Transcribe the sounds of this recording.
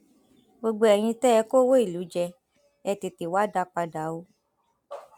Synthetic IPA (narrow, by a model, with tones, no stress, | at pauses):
ɡ͡bo˧ɡ͡bo˧ɛ˨j̃ĩ˧tɛ˦ɛ˧˦ko˦wo˦i˦˨lu˨˦d͡ʒɛ˧ | ɛ˧te˨ti˨wa˦da˧k͡pa˧da˨˦o˧˦